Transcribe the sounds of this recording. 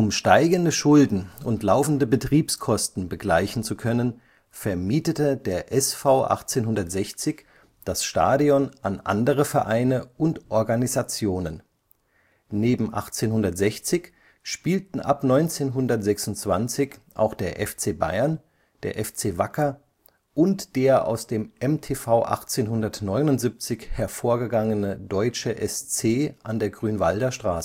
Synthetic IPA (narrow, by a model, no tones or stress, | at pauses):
ʔʊmʃtaɪɡəndəʃʊldn̩ʊntlaʊfn̩dəbətʁ̥iːpskʰɔstn̩bəɡlaɪçn̩t͡sukʰœnən | fɛɐmiːtətədeːɐʔɛsfaʊʔa̰χt͡seːnɦʊndɐtz̥ɛçt͡sɪç | d̥asʃta̰ːdiɔnʔanʔa̰ndəʁəfɛɐʔaɪnəʊntʔɔɐɡanizat͡sjoːnən | neːbm̩ʔa̰χt͡seːnɦʊndɐtz̥ɛçt͡sɪç | ʃpiːltn̩ʔa̰pnɔʏnt͡seːnɦʊndɐtz̥ɛksʊntt͡sv̥ant͡sɪçʔa̰ʊxd̥eːɐʔɛft͡seːba̰ɪɐn | d̥eːɐʔɛft͡seːvakɐ | ʔʊntd̥eːɐʔa̰ʊsd̥eːmʔɛmtʰeːfaʊʔa̰χt͡seːnɦʊndɐtnɔʏnʊntz̥ip̚t͡sɪçhɛɐfoːɐɡəɡaŋənədɔʏt͡ʃəʔɛst͡seːʔandeːɐɡʁyːnvaldɐʃtʁ̥aːsə